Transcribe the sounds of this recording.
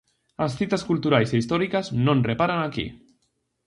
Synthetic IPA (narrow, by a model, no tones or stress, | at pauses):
asθit̪askult̪uɾajseist̪ɔɾikaznõnrepaɾanakḭ